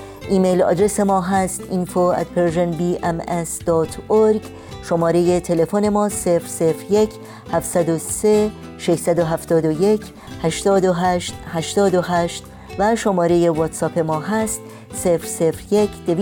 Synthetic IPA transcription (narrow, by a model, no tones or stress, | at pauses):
ʔiːmejlɒ̰ːd̪ɾe̞se̞mɒːɦæst̪infoæ̰t̪pʰeɾʒenbiːʔemesd̪̥ɒːt̪ʰoɾɡ | ʃomɒːɾe̞je̞t̪ʰe̞le̞fone̞mɒːse̞fɾsefɾje̞cʰ | hæfsæd̪ose | ʃeʃsæd̪oɦæft̪ɒːd̪ojecʰ | hæʃt̪ɒːd̪oɦæʃt̪hæʃt̪ɒːd̪oɦæʃt̪ | væʃomɒːɾe̞je̞vot̪sɒːpʰe̞mɒːɦæst̪ | sefɾse̞fɾje̞cʰd̪̥ev